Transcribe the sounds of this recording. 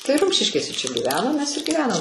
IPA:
tɐɪ ˈrʊmʲʃʲɪʃʲkʲeːsʲɛ t͡ʃʲɛ ɡʲiːˈʋʲæːnoːm mʲɛs ɪr ɡʲiːˈʋʲæːnɐm

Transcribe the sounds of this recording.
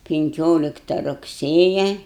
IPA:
pʲɪŋʲˈkʲoːlʲɪktɐ rʊkˈsʲeːjɛ

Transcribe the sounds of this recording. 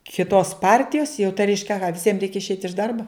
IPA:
kʲɪˈtoːs ˈpɐrʲtʲɪjoːs jɛʊ tɐɪ ˈrʲɛɪʃʲkʲɛ ɐˈɣɐ ʋʲɪˈsʲiɛm ˈrʲɛɪkʲɛ ɪʃʲˈɛɪtʲ ɪʃ ˈdɐrboː

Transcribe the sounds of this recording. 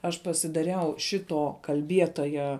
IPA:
ˈɐʃ pɐsʲɪdɐˈrʲɛʊ ˈʃʲɪtoː kɐlʲˈbʲiɛtoːjɛ

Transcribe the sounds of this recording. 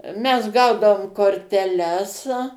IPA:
ˈmʲɛs ˈɡɐʊdɐʋoːm koːrʲtʲɛˈlʲɛs

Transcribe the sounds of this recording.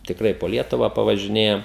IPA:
tʲɪkˈrɐɪ poː ˈlʲiɛtʊʋɑː pɐʋɐʒʲɪˈnʲeːjɛm

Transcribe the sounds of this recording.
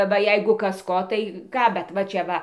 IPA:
ˈʋɐ ˈjɛɪɡʊ ˈkɐs ˈkoː tɐɪ ˈkɑː bʲɛt ˈʋɐ t͡ʃʲɛ ˈʋɐ

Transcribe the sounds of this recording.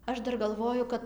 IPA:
ˈɐʃ ˈdɐr ɡɐlˠˈʋoːjʊ ˈkɐt

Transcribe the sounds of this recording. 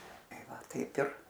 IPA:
ˈtɐɪ ˈʋɐ ˈtɐɪp ɪr

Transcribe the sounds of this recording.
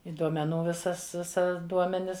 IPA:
ɪ duɔmʲɛˈnuː ˈʋʲɪsɐs ˈʋʲɪsɐ ˈduɔmʲɛnʲɪs

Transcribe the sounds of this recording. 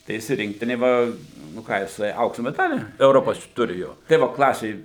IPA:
tɐɪ ˈjɪs ɪ ˈrʲɪŋktʲɪnʲeː ˈʋɐ nʊ ˈkɑː jɪˈsɐɪ ˈɐʊksʊ mʲɛˈdɑːlʲiː ɛʊˈroːpoːs ˈtʊrʲɪ ˈjoː tɐɪ ˈʋoː ˈklˠɑːsʲeː

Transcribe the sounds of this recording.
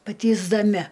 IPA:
pɐtʲiːzdɐˈmʲɪ

